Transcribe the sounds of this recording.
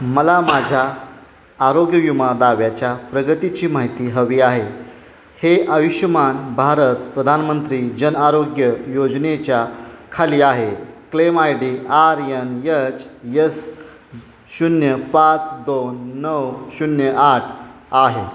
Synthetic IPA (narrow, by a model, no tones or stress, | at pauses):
məlamad͡ʑʱaː | ɾoɡjəʋjumad̪aʋjat͡ɕjapɾəɡət̪it͡ɕiːmaɦit̪iːɦəʋiːaɦe | heʔəʋiɕəmanbʱaɾət̪pɾəd̪ʱanmənt̪ɾiːd͡ʑənaɾoɡjəjod͡znet͡ɕjakʰaliːaɦeklemajɖiːaɾjənjət͡ɕjəs | ɕunjəpat͡sd̪onːəwɕunjəʔaʈʰ | aɦe